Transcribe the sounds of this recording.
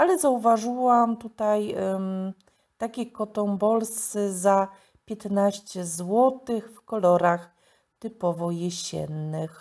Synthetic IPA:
alɛzauvaʐɨwamt̪ut̪aj | t̪akʲekɔt̪ɔmbɔlsɘza | pʲjɛt̪naɕt͡ɕɛzwɔt̪ɘxfkɔlɔɾax | t̪ɘpɔvɔjɛɕɛ̰nːɘx

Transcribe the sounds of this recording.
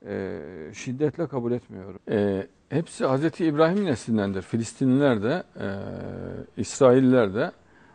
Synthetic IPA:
ɛ̰ʃid̪ːɛt̪lʲɛkʰabulʲɛt̪mijo̞ɾuɛ | hepsihazɾet̪ʰiːbɾaːɦimineslʲind̪ænd̪iɾfilʲist̪ʰinilʲæɾd̪ɛ̰ | isɾaːilːʲæɾd̪ɛ

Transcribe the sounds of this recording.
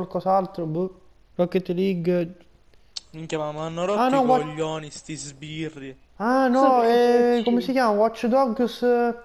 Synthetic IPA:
alkɔsalt̪ɾobə | rɔkːet̪liɡ | miŋkʲjamamanːoɾɔanɔwɔʎːɔːnist̪izbiri | anɔɛkomesikjaːmawɔt͡ʃːd̪ɔɡus

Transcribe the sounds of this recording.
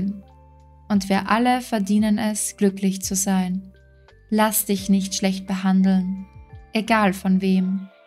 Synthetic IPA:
n | ʔʊntv̥iːɐʔaləfɛɐdiːnənɛsɡ̥lʏklɪçt͡suzaɪn | lasd̥ɪçnɪçtʃlɛçt̚b̥əɦandl̩nʔeɡaːlfɔnveːm

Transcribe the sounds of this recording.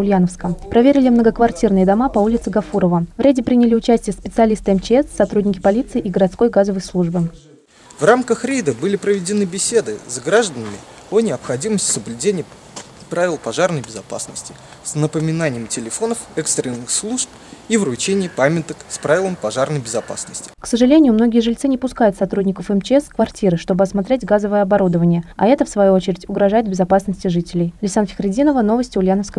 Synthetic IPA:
ʊlʲjanəfskəpɾɐvʲeɾʲɪlʲɪmnəɡəkvɐrtʲirnɨjəd̪ɐmapɐulʲɪt̪sɨɡɐfuɾəvəvɾʲædʲɪpɾʲinʲɪlʲɪʊt͡ɕæsʲtʲɪjəspʲɪt̪sɨɐlʲist̪ɨɛmt͡ɕɪɛsːɐt̪ɾudʲnʲɪkʲɪpɐlʲit̪sɨɪːʔiɡəɾɐt̪sko̞jɡazəvəjslˠuʐbɨ | vramkəxɾʲejd̪əbɨlʲɪpɾəvʲɪdʲɪnɨbʲɪsʲe̞d̪ɨzɡɾaʐd̪ənəmʲɪ̰ | onʲɪɐpxɐdʲiməsʲtʲsəblʲʉdʲenʲɪjə | pɾavʲɪlˠpɐʐarnəjbʲɪzɐpa̰snəsʲtʲɪ̥ | snəpəmʲɪnanʲɪjəmtʲɪlʲɪfo̞nəfɛkst̪ɾʲɪnːɨxslˠuʂp̚ | ivɾʊt͡ɕenʲɪjəpamʲɪt̪əkspɾavʲɪlˠəmpɐʐarnəjbʲɪzɐpa̰snəsʲtʲɪ̥ksəʐɨlʲenʲɪjʊmno̞ɡʲɪjəʐɨlʲt̪sɨnʲɪpʊskajʊt̪sɐt̪ɾudʲnʲɪkəfɛmt͡ɕɪɛskvɐrtʲiɾɨʂt̪o̞bɨɐsmɐt̪ɾʲetʲɡazəvəjəɐbɐɾud̪əvənʲɪjəɐ̰ɛt̪əfsvɐjuot͡ɕɪɾʲɪtʲʊɡɾɐʐajɪt̪̚bʲɪzɐpasnəsʲtʲɪʐɨtʲɪlʲɪjlʲɪsanfʲɪ̥xɾʲɪdʲinəvəno̞vəsʲtʲɪʊlʲjanəfskə

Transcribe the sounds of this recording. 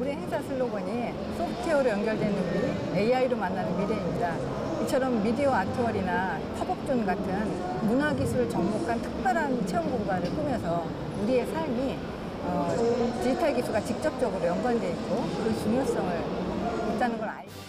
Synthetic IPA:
uɾieɦeŋsʰasʰɯɭːoɡʌɲi | sʰoptʰeʌɾojʌnɡjʌɭdwe̞nɯnii | eiaiɾomanːanɯnmideimɲida | it͡ɕʰʌɾʌmːideoatʰoʌɾina | pʰabʌk̚t͡ɕ͈onɡatʰɯn | munaɡisʰuɾɯɭt͡ɕʌŋmokʰantʰɯ̥k̚p͈jʌɾɦant͡ɕʰeʌmɡuŋɡaɾɯɭp͈ɯmjʌnsʰʌ | uɾie̞sʰaɭmi | ʌt͡ɕitʰaɭɡitʰuɡat͡ɕik̚t͡ɕ͈ʌp̚t͡ɕ͈ʌɡɯɾojʌŋɡwande̞ik̚k͈okɯt͡ɕuŋjʌs͈ʌŋɯɭit͈anɯnɡʌɾa̰ɲi

